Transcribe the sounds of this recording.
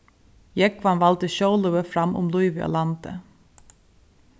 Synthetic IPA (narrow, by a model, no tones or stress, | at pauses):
jɛkʋɑnʋɑlt̪əʃœʊlʉəfɾɑmʔʊ̰mlʊʏʋɪɑ̰lɑnt̪ʰə̰